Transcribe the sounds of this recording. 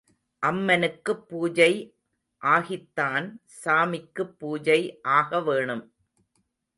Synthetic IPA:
ʔɐmːɐnɯkːɯpːuːd͡ʒɐɪ | ʔaːɣɪt̪ːaːnsaːmɪkːɯpːuːd͡ʒɐɪʔaːɣɐʋeːɳɯm

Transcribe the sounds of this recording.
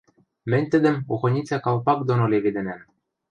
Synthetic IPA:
mɘ̆nʲt̪ɘ̆d̪ɘ̆muxɤ̆nʲit͡sʲækɑlˠpɑk̚d̪onolʲeβed̪ɘ̆næm

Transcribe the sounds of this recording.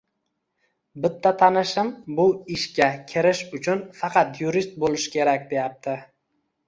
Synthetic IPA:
bɪt̪ʰːat̪ʰanɪʃɪmbʊɪʃkʲakʲʰɪɾɪʃʊt͡ʃʰʊnfɑqʰɑt̪jʊɾist̪̚bolˠɪʃɪ̥kʲʰe̞ɾakʲd̪e̞jap̚t̪ʰɪ

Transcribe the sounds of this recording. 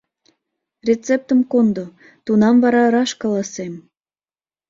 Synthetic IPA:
rʲet͡sep̚t̪əmkond̪o | t̪unɑmvɑɾɑɾɑʃkɑlɑsem

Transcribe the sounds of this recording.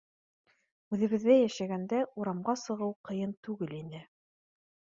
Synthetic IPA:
ʉðɘ̆βɘ̆ðːæjæʃæɡænd̪æuɾɑmʁɑsɤ̆ʁɤwqɤ̆jɤnt̪ʉɡɘlinɘ

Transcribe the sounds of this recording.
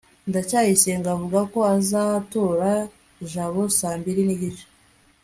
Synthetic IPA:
ndacaːjiseːŋɡavuɡako̞azatoːɾa | ʒaβo̞saːmbiɾiniɟit͡ʃe̥

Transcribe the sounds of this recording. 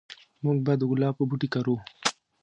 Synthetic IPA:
muɡ̚bad̪əɣʊlɑːpəbuʈikaɾu

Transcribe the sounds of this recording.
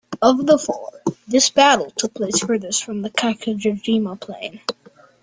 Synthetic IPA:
ʌvðəfɔ̰ɹðɪsb̥æɾl̩ˠtʰʊk̚pʰl̥eɪsfə˞ðəsfɹʌ̃mðɨkʰækʰɨd͡ʒəd͡ʒiməpʰl̥ḛ̃ɪ̃n

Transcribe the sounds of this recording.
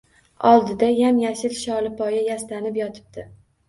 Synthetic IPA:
ɒlˠd̪ɪd̪ajamjaʃɪlʃɒlɪpʰɒjajaslanɪpjɒt̪ʰɪ̥b̚d̪̥ɪ

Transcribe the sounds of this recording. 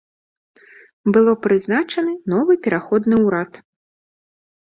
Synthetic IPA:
bɨlˠɔpɾɨznat͡ʂɐnɨnɔvɨpʲɛɾʔaxɔd̪nɨwɾat̪

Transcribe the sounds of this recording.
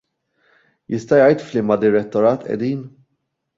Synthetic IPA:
jɪst̪ɐjɐjt̪flimɐd̪ɪɾɛt̪ːɔɾɐːt̪ɛ̰d̪iːn

